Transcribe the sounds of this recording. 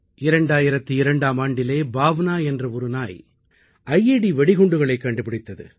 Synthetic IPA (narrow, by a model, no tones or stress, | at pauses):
ʔɪɾɐɳɖaːjɪɾɐt̪ːɯɪɾɐɳɖaːmaːɳɖɪleːbaːʋnaːɛndrɐɔɾɯnaːj | ʔɐjːeɽiʋɛɽɪɣɔɳɖɯɣɐɭɐɪkːɐɳɖɯpɪɽɪt̪ːɐðɯ̰